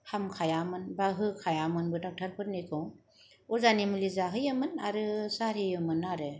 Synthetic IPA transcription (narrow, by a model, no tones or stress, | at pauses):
hamkʰajamɯnbaɦɯkʰajamɯnbɯdak̚tʰaɾpʰɯɾnɯkʰɯŋ | uzanimɯlizaɦɯjɯmɯnaɾɯsaɾhɯjɯmɯnaɾɯ